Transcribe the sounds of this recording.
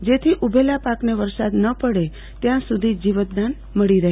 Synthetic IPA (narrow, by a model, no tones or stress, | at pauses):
d͡ʒet̪ʰiʔubʱelapakneʋəɾsad̪nəpəɽe | t̪jãsud̪ʱid͡ʒiʋət̪̚d̪an | məɭiɾəɦ